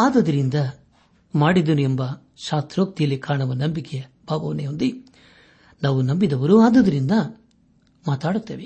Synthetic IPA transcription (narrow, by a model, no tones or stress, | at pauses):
aːd̪ɐd̪ɐɾind̪ɐ | maːɽid̪ɐnuembɐ | ʃaːst̪ɾoːk̚t̪ijɐlikaːɳɐʋɐnɐmbikɛjɐbʱaːʋɐʋɐnejond̪i | naːʋunɐmbid̪ɐʋɐɾuaːd̪ɐd̪ɐɾind̪ɐ | maːt̪aːɽut̪ːeːʋe